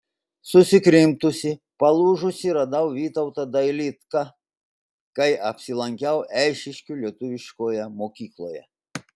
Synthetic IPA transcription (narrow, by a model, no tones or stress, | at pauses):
sʊsʲɪkɾʲɪmt̪ʊsʲɪ | pɐlˠuːʒʊsʲɪɾɐd̪ɐʊʋʲiːt̪ɐʊt̪ɐd̪ɐɪlʲɪt̪kɑ | kɐɪʔɐpʲsʲɪlˠɐŋʲkʲɛʊɛɪʃʲɪʃʲkʲulʲiɛt̪ʊʋʲɪʃkoːjɛmoːkʲiːklˠoːjɛ̰